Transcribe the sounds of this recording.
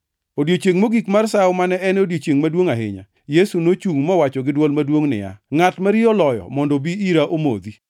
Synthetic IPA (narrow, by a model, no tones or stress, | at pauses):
odjet͡ʃeŋmoɡikmarsaomanɛɛnodjet͡ʃeŋmadwoŋaɦɪ̰ɲa̰ | jesunot͡ʃuŋmɔwat͡ʃɔɡɪdwɔlmadwoŋnɪ̰ja̰ŋatmaɾɪɔlɔjɔ̰mɔndɔbiiɾaʔomo̰d̪i